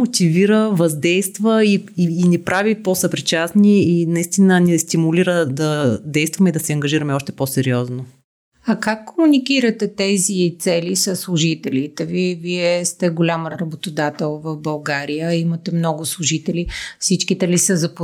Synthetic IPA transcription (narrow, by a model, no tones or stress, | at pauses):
mot̪iviɾəvɐzd̪ɛjst̪vəiiːnipɾʔaviposɐpɾit͡ʃasniinɐist̪inənɛst̪imuliɾəd̪ɐd̪ɛjst̪vɐmɛid̪ɐsɛɐŋɡɐʒiɾəmɛɔʃt̪ɛ̥posɛɾiɔzno | ɐkakːomunikiɾət̪ɛt̪ɛzit̪sɛlisəsːlˠʊʒit̪ɛlit̪ɛviviɛst̪ɛɡolʲamɾɐbot̪od̪at̪ɛlˠvɐfbɐlˠɡaɾijəimɐt̪ɛmnɔɡʊslˠʊʒit̪ɛlifsit͡ʃkit̪ɛlisəzɐp